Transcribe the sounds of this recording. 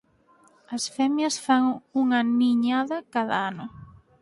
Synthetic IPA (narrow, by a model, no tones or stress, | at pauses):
ɐsfɛmjɐsfaŋuŋɐniɲaðɐkaðɐ̰anʊ